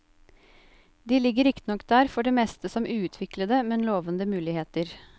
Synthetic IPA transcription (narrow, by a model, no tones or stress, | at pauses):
d̪iːlɪɡəɾɪkt̪ənɔkːd̪æːɾfɔɖeːmɛːst̪əsɔmʔʉːʉt̪ʰʋɪkləd̪əmɛnloːʋənd̪əmʉːlɪheːt̪əɾ